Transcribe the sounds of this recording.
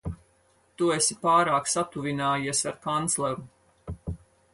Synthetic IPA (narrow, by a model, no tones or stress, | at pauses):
t̪uesipaːɾaːksat̪uvinaːjiɛsaɾkant̪slˠɛɾu